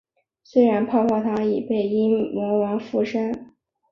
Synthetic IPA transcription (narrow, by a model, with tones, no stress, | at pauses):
swe˥ɪɻa˧˥npʰɑ˥˧ʊkʰɑ˥˩t̪ʰa˥i˨˩pe˥˩ɪi˥ŋmwɔ˧˥wɑ˧˥ŋfu˥˩ʂa˥n